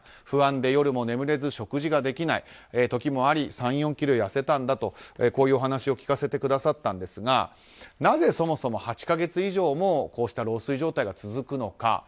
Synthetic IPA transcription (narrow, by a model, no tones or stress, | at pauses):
ɸɯ̟ãnd̪e̞jo̞ɾɯ̟mo̞ne̞mɯ̟ɾe̞zɨɕo̞kɯ̟ʑiɡad̪e̞kʲinai | et̪o̞kʲimo̞aɾʲisãɰ̃jõ̞ŋkʲiɾojase̞t̪ãnd̪at̪o̞eko̞ːjɯːo̞ɦanaɕio̞kʲi̥kase̞t̪e̞kɯ̟d̪asat̪ːãnd̪e̞sɨɡa̰ | naze̞so̞mo̞so̞mo̞hat͡ɕi̥kaɡe̞t͡sɨiʑo̞ːmo̞ko̞ːɕi̥t̪aɾo̞ːsɨiʑo̞ːt̪aiɡat͡sɨzɨkɯ̟no̞ka̰